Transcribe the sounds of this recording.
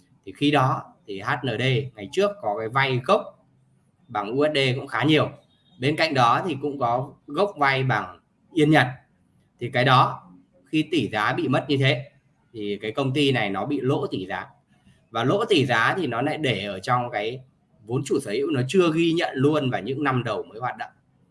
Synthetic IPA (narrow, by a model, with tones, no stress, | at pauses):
t̪ʰi˨˩xi˧ɗɔ˨˦t̪ʰi˨˩ɦaː˦˥t̚nəː˨˩ɗə˧jŋa˨˩jt͡ɕɨ˦˥əkːɔ˨˦kaː˨˦jva˧jɣə˦˥wk͡p̚ | ɓaː˨˩ŋʔu˧ʔɛ˦˥t̚ɗe˧kʊ̰˧˥ŋ͡mxaː˨˦ɲi˨˩əw | ɓe˧nka̰˧˨jŋ̟ɗɔ˨˦t̪ʰi˨˩kʊ̰˧˥ŋ͡mkɔ˨˦ɣə˦˥wk͡p̚va˧jɓaː˨˩ŋ | ʔi˧ənɲə̰˧˩t̚ | t̪ʰi˨˩kaː˨˦jɗɔ˨˦ | xi˧t̪i˧˩zaː˨˦ɓḭ˧˨mə˦˥t̚ɲɨ˧t̪ʰe˨˦ | t̪ʰi˨˩kaː˨˦jkə˧wŋ͡mt̪i˧na˨˩jnɔ˨˦ɓḭ˧˨lo̰˧˥t̪i˧˩zaː˨˦ | vaː˨˩lo̰˧˥t̪i˧˩zaː˨˦t̪ʰi˨˩nɔ˨˦la̰ː˧˥jɗe˧˩ʔəː˧˩t͡ɕɔ˧wŋ͡mkaː˨˦j | vo˨˦nt͡ɕu˧˩səː˨˦hḭ˧˥wnɔ˨˦t͡ɕɨ˧əɣi˧ɲə̰˧˨nlu˧ənvaː˨˩ɲɨ̰˧˥ŋna˧mɗə˨˩wməː˨˦jhwaː˨˩t̚ɗə̰˧˨ŋ͡m